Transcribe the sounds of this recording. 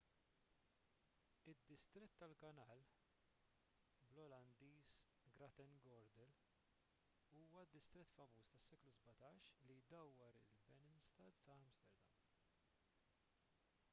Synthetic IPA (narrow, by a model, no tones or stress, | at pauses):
ɪd̪ːɪst̪ɾɪt̪ːɐlkɐnɐːl | blɔlɐnd̪iːs | ɡɾɐt̪ɛnɡɔɾd̪ɛl | uːwɐd̪ːɪst̪ɾɛt̪ːfɐmuːst̪ɐsːɛːkluzbɐt̪ɐːʃlijd̪ɐwːɐɾɪ̰lbɛnɪnst̪ɐt̪t̪ɐɐmst̪ɛɾd̪ɐm